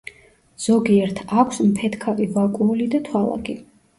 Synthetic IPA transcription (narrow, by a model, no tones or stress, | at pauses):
z̥ɔɡiɛɾt̪ʰakʷʰsmpʰɛt̪ʰkʰavivakʼuːlid̪at̪ʰwalˠa̰ɡi